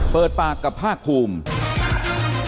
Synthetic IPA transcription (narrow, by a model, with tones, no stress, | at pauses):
pɤː˨˩t̪̚paː˨˩kːa˨˩pʰːaː˥˩k̚pʰːuː˧m